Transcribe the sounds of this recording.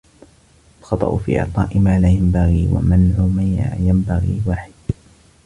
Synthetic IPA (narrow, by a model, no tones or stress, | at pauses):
ʔʔalxɑt̪ˤɑ̰ʔʊfḭːʔɑ̰ʕt̪ˤɑ̰ːʔɪmaːlaːjambaɣiːwa̰manʕʊmaja̰jambaɣḭːwaːħɪd̪̥